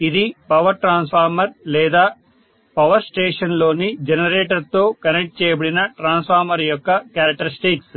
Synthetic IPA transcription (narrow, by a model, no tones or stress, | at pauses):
id̪ipɐʋɐɾʈɾaːnspʰaːɾmɐɾlɛːd̪aː | pɐʋɐɾsʈeːʂɐnlo̞ːnid͡ʒenɐɾeːʈɐɾt̪oːkɐnek̚ʈ̚t͡ʃɛːjɐbɐɽinɐʈɾaːnspʰaːɾmɐɾjɔkːɐkaːɾɐk̚ʈɐɾisʈiks